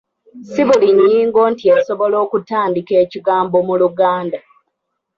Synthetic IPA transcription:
siβuliɲːiːŋɡo̞ːntiaso̞βo̞lo̞ːkutaːndike̞ːciɡaːmbo̞muluɡaːnda

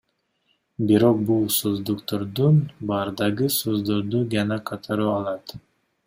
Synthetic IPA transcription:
biɾo̞q̚bulˠsozd̪uqt̪oɾd̪unbɑɾd̪ɑʁɯsozd̪oɾd̪ud͡ʒɑnɑqʰɑt̪ʰɑɾuɑlˠɑt̪

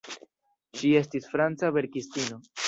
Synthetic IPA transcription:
ʃie̞stisfɾant͡save̞ɾkistino̞

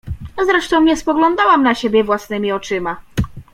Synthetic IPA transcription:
zɾɛʂt̪ɔ̃w̃ɲɛspɔɡlɔ̃nd̪awamnaɕebʲjɛvwasnɘmʲiɔt͡ʂɘma

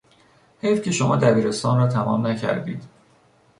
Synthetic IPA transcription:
hejfcʰeʃomɒːd̪æbiːɾe̞st̪ɒːnrɒːt̪ʰæmɒ̰ːmnæcʰæ̰ɾd̪ḭːd̪̥

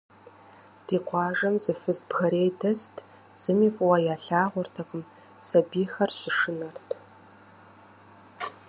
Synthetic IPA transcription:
d̥iːqʷɑːʐɐmzɨfɨzbxɐɾeːjdɐstʰ | z̥ɨmiːfʼwɐjaːɬaːʁʷʊrtʰɐqəm | sɐbiːxɐrɕɪʂɨnɐrtʰ

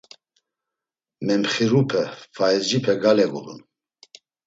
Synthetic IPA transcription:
mɛmχiɾupʰɛfaɛzd͡ʒipʰɛɡalɛɡṵlṵn

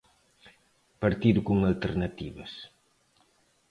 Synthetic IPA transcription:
pɐɾt̪iðukuŋalt̪eɾnɐt̪iβɐs

